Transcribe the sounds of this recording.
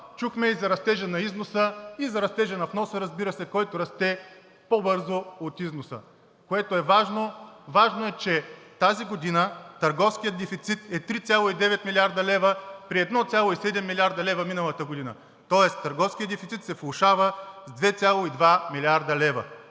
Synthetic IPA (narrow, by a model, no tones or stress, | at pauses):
t͡ʃuxmɛizɐɾɐst̪ɛʒənɐiznosəizɐɾɐst̪ɛʒɐnɐfnɔsəɾɐzbiɾəsɛkɔjt̪oɾɐst̪ɛ | pobɤɾzoot̪iznosə̰ | koɛt̪oɛvaʒnovaʒnoɛt͡ʃɛt̪aziɡod̪inət̪ɐɾɡɔfskijəd̪ɛfit̪sit̪ɛt̪ɾit̪sʲjalˠoid̪ɛvɛt̪milʲiaɾd̪əlɛvəpɾiɛd̪nɔt̪sʲjalˠoisɛd̪ɛmːilʲiaɾd̪ɐlɛvɐminəlˠət̪əɡod̪inə̰ | t̪ɔɛst̪əɾɡɔfskʲiəd̪ɛfit̪sit̪sɛflˠʊʃavəzd̪vɛt̪sʲjalˠoid̪vamilʲiaɾd̪əlɛvɐ̰